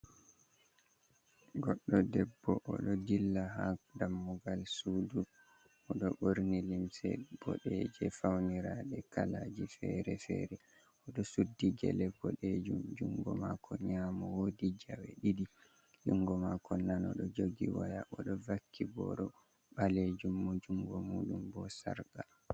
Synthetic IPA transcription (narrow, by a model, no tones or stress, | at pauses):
ɡɔɗːɔdɛbːɔʔɔɗɔd͡ʒilːaɦadamːuɡalsudu | ʔɔɗɔʔoɾnilimsɛ̰b̥ɔ̰ɗɛd͡ʒɛfawniɾaɗɛkalad͡ʒifɛɾɛfɛ̰ɾɛ | ɔɗɔsudːiɡɛ̰lɛbɔɗed͡ʒumd͡ʒuŋɡɔmakʰɔɲamɔwodid͡ʒawɛ̰ɗidi | d͡ʒuŋɡɔmakʰɔnanɔɗɔd͡ʒoɡiwajaʔɔɗɔvakʰːibɔ̰ɗɔ | ɓaled͡ʒumːɔd͡ʒuŋɡɔmuɗumbɔsa̰ɾɡa